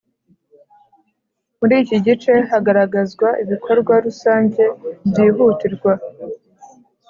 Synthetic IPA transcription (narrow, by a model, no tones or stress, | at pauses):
muɾiːciɟit͡ʃe̞haɡaɾaɡazɡwaʔiβikʰo̞ɾɡwaɾusaːɲɟe̞bjiːɦuːtiɾɡwa